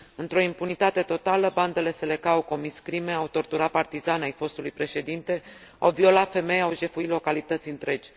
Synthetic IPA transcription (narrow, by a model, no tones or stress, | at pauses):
ɨnt̪ɾo̞impunit̪at̪e̞t̪o̞t̪aləband̪ele̞se̞le̞kawko̞miskɾime̞awt̪o̞rt̪uɾat̪̚part̪izanajfo̞st̪ulujpɾe̞ʃe̞d̪int̪e̞a̰wvio̞lat̪fe̞me̞jawʒe̞fuilo̞kalit̪ət̪sʲɨnt̪ɾe̞d͡ʒʲ